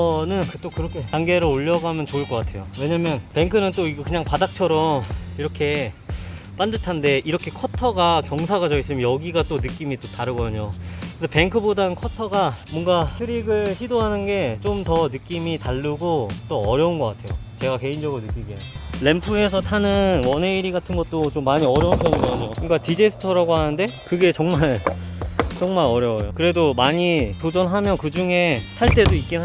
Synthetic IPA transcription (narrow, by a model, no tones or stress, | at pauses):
nɯnkɯt͈okɯɾʌkʰetaŋɡe̞ɾɯoʎːʌɡamjʌnt͡ɕoɯɭk͈ʌk͈atʰe̞jowe̞ɲamjʌnpe̞ŋkʰɯnɯnt͈oiɡkɯɲaŋpadak̚t͡ɕʰʌɾʌmiɾʌkʰe̞ | p͈andɯtʰande̞iɾʌkʰe̞kʰʌtʰʌɡakjʌŋsʰaɡat͡ɕʌis͈ɯmjʌjʌɡiɡat͈onɯk͈imit͈otaɾɯɡʌdɯɲokɯesʰepe̞ŋkʰɯbodankʰʌtʰʌɡamwʌŋɡasʰɯɾiɡɯɭɕidoɦanɯnɡe̞t͡ɕomtʌnɯk͈imitaʎːɯɡot͈oʌɾjʌunɡʌk͈atʰe̞jo̰t͡ɕe̞ɡake̞ind͡ʑʌɡɯɾonɯk͈iɡiele̞mpʰue̞sʰʌtʰanɯnwʌneiɾiɡatʰɯnɡʌt̚t͈ot͡ɕomːaɲiʌɾjʌunpʰʌɯɡʌɲomoŋk͈atid͡ʑesʰɯ̥tʰʌɾaɡoɦanɯnde̞kɯɡe̞t͡ɕʌŋmaɭ | t͡ɕʌŋmaɾʌɾjʌwjokɯɾe̞domaɲitod͡ʑʌnɦamjʌnkɯd͡ʑuŋe̞sʰaɭt͈e̞doik͈inɦa